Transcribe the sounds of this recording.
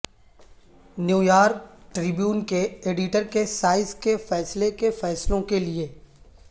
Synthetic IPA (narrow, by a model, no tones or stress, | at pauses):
njuːjaːɾk̚ʈɾɪbjuːnkeeːɖɪʈəɾkesaːɪzkefɛːslekefɛːslõkelie